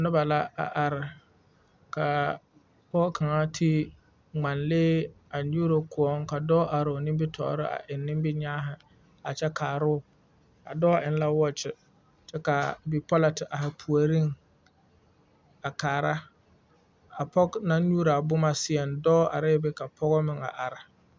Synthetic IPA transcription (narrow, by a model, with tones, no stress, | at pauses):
nʊ˦ba˨la˦a̰˨ʔa˨ɾɪ˨ | ka˨ | pɔ˦kʰa˨ŋa˦tʰi˦ | ŋ͡ma˨nlɪː˦ | a˨ɲuː˦ɾo˨kʰʊ˨ɔ˦ŋka˨dɔː˦ʔa˨ɾɪ˨o˨nɪ˦bɪ˦tʰɔ̰ː˨˦ɾɪ˦a̰˨ʔɪ˨nːɪ̃˦mbɪ˦ɲaː˦ɦɪ˨ | a̰˨t͡ʃɛ˦kʰaː˨ɾʊ˦˨ | a̰˨dɔː˦a˨ɪ˨n˦la˦wɔ˦t͡ʃɪ˨ | t͡ʃɛ˦ka˨bi˨pɔ˦la˨tɪ˨ʔa˨ɦɪ˨pʰu˨a˨ɾi˦ŋ | a˨kaː˨ɾa˦ | a˨pɔ˦ɡna˦ɲuː˦ɾa˨bʊ˦ma˦sɪ˦ɛ˨ndɔː˦a̰˨ɾɪ˦bɪ˦ka˨pʰɔ˦ɣɔ˦mɪ˨ŋa̰˨ʔa˨ɾa˨